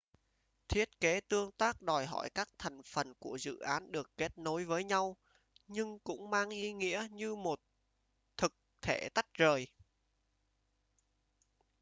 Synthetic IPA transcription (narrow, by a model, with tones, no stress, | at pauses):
t̪ʰi˦˥ət̚ke˨˦t̪ɨ˧əŋt̪aː˦˥k̚ɗɔ˨˩jɦɔ̰˧˩jkaː˦˥k̚t̪ʰa˨˩jŋ̟fə˨˩nku˧˩əzɨ̰˧˨ʔaː˨˦nɗɨ˨˩əkːe˦˥t̚no˨˦jvəː˨˦jɲa˧w | ɲɨ˧ŋkʊ̰˧˥ŋ͡mmaː˧ŋʔi˨˦ŋḭ˧˥əɲɨ˧mo˨˩t̚ | t̪ʰɨ˨˩k̚t̪ʰe˧˩t̪a˦˥jk̟̚zəː˨˩j